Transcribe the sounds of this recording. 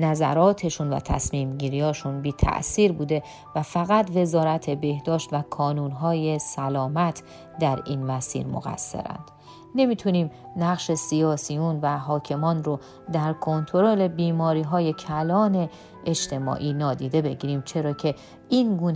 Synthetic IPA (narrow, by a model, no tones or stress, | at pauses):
næzæ̰ɾɒːt̪ʰe̞ʃunvæ̰t̪ʰæ̰smiːmɟiːɾiɒːʃunbiːt̪ʰæ̰ʔsiːɾbuːd̪e̞ | væfæɣæt̪ve̞zɒːɾæt̪ʰe̞be̞hd̪ɒːʃt̪vækʰɒːnuːnɦɒːje̞sælɒːmæt̪ʰ | d̪æɾḭːnmæsḭːɾmo̰ɣæ̰sːḛɾæ̰nd̪̥ | ne̞miːt̪ʰuniːm | næɣʃe̞sijɒːsijunvæɦɒːcʰe̞mɒːnɾo | d̪æɾkʰo̞nt̪ʰo̞ɾole̞biːmɒːɾiːɦɒːje̞cʰælɒːne̞ː | d͡ʒt̪ʰe̞mɒ̰ːʔiːnɒːd̪iːd̪e̞be̞ɟiːɾiːmt͡ʃʰe̞ɾɒːcʰe̞ | inɡuːn